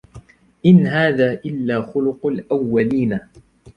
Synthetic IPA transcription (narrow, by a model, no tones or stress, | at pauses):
ʔɪnɦaːðaːʔɪlːaːxʊlʊqʊlʔawːaliːna